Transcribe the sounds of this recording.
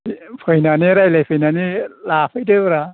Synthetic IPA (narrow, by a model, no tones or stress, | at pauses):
pʰɯjnaniɾajlajpʰɯjnanilapʰɯjdɯɾa